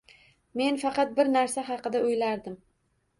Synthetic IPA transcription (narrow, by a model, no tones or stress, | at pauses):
me̞nfɑqɑt̪̚bɪɾnaɾsaɦɑqɨd̪aʊjlaɾd̪ɪm